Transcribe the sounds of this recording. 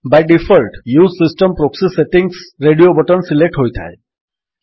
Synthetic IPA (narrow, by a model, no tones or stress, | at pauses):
bajɖifʰɔlʈjuzsisʈəmpɾoksiseʈiŋɡsɾeɖiobɔʈɔnsilek̚ʈɦojt̪ʰa̰e